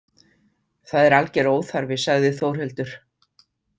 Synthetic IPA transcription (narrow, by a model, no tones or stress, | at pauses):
θaðɛɾalcɛɾoːwθaɾvɪsaɣðɪθowr̥hɛlt̪ʏɾ̥